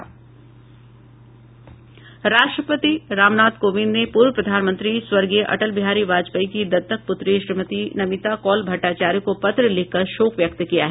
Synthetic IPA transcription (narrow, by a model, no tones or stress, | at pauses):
ɾaːʃʈɾəpət̪iɾaːmnaːd̪koːʋĩnnepuːɾʋəpɾɐd̪ʱaːnmə̃nt̪ɾiswɐɾɡeʔɐ̰ʈəlbɪɦaːɾiʋaːd͡ʒpəikid̪ɐt̪ːək̚pʊt̪ɾeʃɾimət̪inɐmɪt̪akɔːlbʱɐʈːaːt͡ʃaːɾjõkopɐt̪ɾəlɪkʰːɐɾʃoːkʋjɐk̚t̪kijaɦɛː